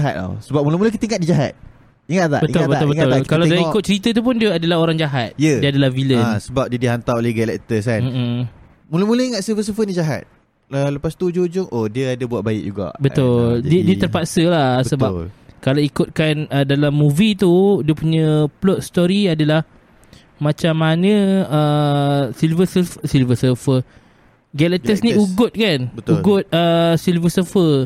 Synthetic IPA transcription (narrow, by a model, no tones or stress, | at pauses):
aɦa̰t̪̚a̰səbap̚muləmulək̬it̪əiŋat̪̚did͡ʒaɦa̰t̪̚ | iŋat̪t̪a̰ʔbətit̪ʊlbəʊlbəŋʊlkalawdiaikʊt̪̚t͡ʃəɾit̪ət̪̬up̬ʊndiəadəlaɦoɾaŋd͡ʒaɦat̪̚jəiəadalahvilənsəbap̚diədiɦant̪awolehɡalɛʔt̪əsanm̩m̩ | muləmuləiŋat̪səfəsəfəndid͡ʒaɦa̰t̪̚ | ələpast̪ud͡ʒoud͡ʒʊŋʔodiəadəbuat̪̚baɪ̰k̚d͡ʒuɡa̰ʔbət̪ʊldiədiət̪ərpaʔsəlasəbakalawikʊt̪̚kanədalamːuvit̪udiəpuɲə̃plɔt̪̚st̪oɾiadalah | mat͡ʃamːanə̃ə | silvəsəfəsilvəsəfə | ɡɛlɛt̪əsnĩuɡʊt̪̚kanbət̪uɡʊt̪̚əsilvəsəfə